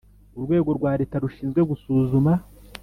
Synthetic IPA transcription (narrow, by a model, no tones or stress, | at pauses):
uɾɡwe̞ːɡo̞ɾɡwaːɾe̞ːtaɾuʃiːnzɡwe̞ɡusuːzuma